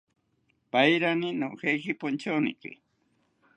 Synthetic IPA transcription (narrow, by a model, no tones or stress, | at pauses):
pajɾanɪnoxejkɪpʊnt͡ʃawnɪ̰kɪ̰